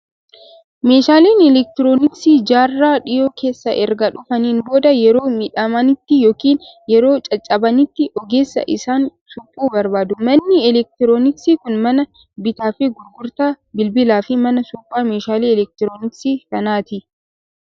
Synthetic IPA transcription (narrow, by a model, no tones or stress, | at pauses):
me̞ːʃaːliːnɛlɛk̚t̪ɪɾoːnɪksiːd͡ʒaːrːaːᶑɪjo̞ːkʰe̞ːsːɐʔɛɾɡɐᶑʊfɐniːnbo̞ːd̪ɐjɛɾo̞ːmɪᶑɐmɐnɪt̪ːɪjoːkiːnjɛɾo̞ːt͡ʃʼɐt͡ʃʼːɐbɐnɪt̪ːɪɔɡe̞ːsːɐ̰ʔɪsaːnsʊpʼːuːbɐɾbaːd̪ʊmɐnːɪɛlɛk̚t̪ɪɾoːnɪksiːkʊnmɐnɐ | bɪt̪aːfɪɡʊɾɡʊɾt̪aː | bɪlbɪlaːfɪmɐnɐsʊpʼːaːmeːʃaːliːɛlɛk̚t̪ɪɾo̞ːnɪksiːsɐnaːt̪ɪ